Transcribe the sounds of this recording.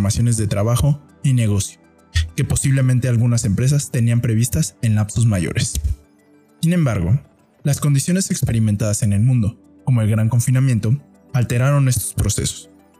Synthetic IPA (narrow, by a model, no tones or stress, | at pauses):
masjo̞ne̞zðe̞t̪ɾaβaxo̞ | ine̞ɣ̞o̞sjo̥ | ke̞po̞siβle̞mẽnt̪e̞alɣunase̞mpɾes̬ast̪eniampɾe̞β̞ist̪ase̞nlapso̞zmaʝo̰ɾʔe̞s | sinẽ̞mbaɾɣo̞̰ | lasko̞nd̪isjone̞se̞kspe̞ɾimẽnt̪aðase̞ne̞lmũnd̪o̞ | ko̞mo̞e̞lɣɾaŋko̞ɱfinamje̞nt̪o̞ | alt̪e̞ɾaɾo̞ne̞st̪o̞̥spɾo̞se̞̰so̥s